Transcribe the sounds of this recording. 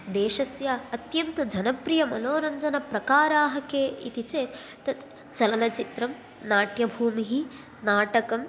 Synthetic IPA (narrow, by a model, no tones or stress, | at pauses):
d̪eːʃɐsjaɐt̪jɐnt̪ɐd͡ʒɐnɐpɾijɐmɐnoːɾɐɲd͡ʒɐnɐpɾɐkaːɾaːɦɐkeːʔḭt̪it͡ʃeːt̪t̪ɐt̪ | t͡ʃɐlɐnɐt͡ʃit̪ɾɐm | naːʈjɐbʱuːmiɦi | naːʈɐkɐm